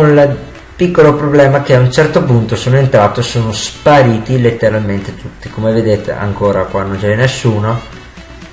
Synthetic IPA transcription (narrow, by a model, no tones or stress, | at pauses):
konl | pikːolopɾoblɛːmak̟eaunt͡ʃɛrt̪opunt̪osoːnoent̪ɾaːt̪osoːnospaɾiːt̪ilet̪ːeɾalment̪et̪ut̪ːikomeved̪eːt̪ḛa̰ŋkoːɾakwanõnt͡ʃɛɛnːesːuːno